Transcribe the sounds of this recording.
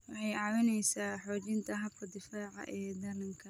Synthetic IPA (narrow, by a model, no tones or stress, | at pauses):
wɑħɑjɑwɪnɛjsaːħɔːt͡ʃɪnt̪ʰɐɦɐbkʰɐd̪ɪfaːʕɑ̰ʔɛːd̪ɐlɐŋkʰɐ